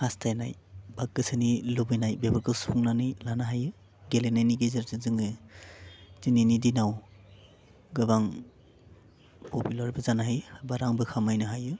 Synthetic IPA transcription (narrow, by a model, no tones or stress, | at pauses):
hastʰajna̰jbak̚ːɯsɯnilubɯnajbebaɾkɯspʰuŋnanilanaɦajɯ | ɡelenajniɡezɯɾzɯzɯŋɯ | z̥ininidinaw | ɡɯbaŋ | pʰopilaɾbɯzanaɦajbaɾaŋbɯkʰamajnɯɦajɯ